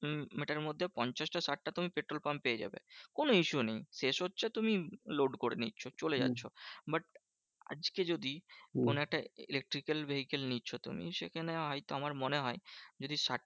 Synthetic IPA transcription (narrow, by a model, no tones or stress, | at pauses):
meʈaɾɾmod̪ʱːepɔɲt͡ɕaʃʈasaʈ̚ːat̪umipeʈɾolpampeed͡ʑa̰bḛkonoiʃunejʃeʃɦotːɕʰet̪umiloɖkoɾḛnitːɕʰot͡ɕoled͡ʑa̰tːɕʰobaʈ̚ | a̰d͡ʑked͡ʑod̪ikonoɛk̚ʈaḭlek̚ʈɾikelbeɦikelnitːɕʰot̪ṵmḭʃekʰaneɦɔjt̪oamaɾmoneɦɔed͡ʑod̪iʃaʈ̚